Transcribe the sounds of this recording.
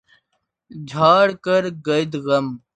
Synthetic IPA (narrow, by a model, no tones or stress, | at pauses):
d͡ʑʱaːɽkɐɾɡɐjd̪ɣɐm